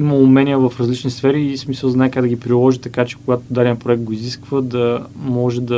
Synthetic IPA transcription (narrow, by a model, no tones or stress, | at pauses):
imɐʊmɛnʲiəvɐfɾɐzlit͡ʃnisfɛɾiːsmisəlˠznaɛkaɡd̪ɐəɡʲipɾilˠɔʒit̪ɐkat͡ʃɛ̥kʊɡat̪od̪alʲiəpɾoɛk̚t̪̚ɡoiziskvəd̪ɐmɔʒɛd̪ɐ